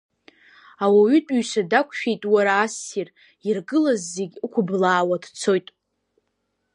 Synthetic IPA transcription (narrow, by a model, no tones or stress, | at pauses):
awaɥʏtʼɥɥʃadakʷʰʼʃᶣe̞jtʼwaɾaːsir | irɡɨlazːeɡʲkʷʰʊblaːwadt͡sʰo̞jtʼ